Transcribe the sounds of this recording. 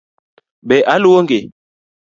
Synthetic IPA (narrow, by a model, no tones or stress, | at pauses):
ɓɛʔaluoŋɡe